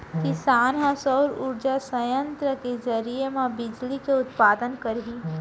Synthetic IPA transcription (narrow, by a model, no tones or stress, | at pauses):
kisaːnɦãsɔʊɾuːɾd͡ʒasɐjə̃nt̪ɾəkezəɾiemãbɪd͡ʒlikeʊt̪paːd̪ənkəɾɦiː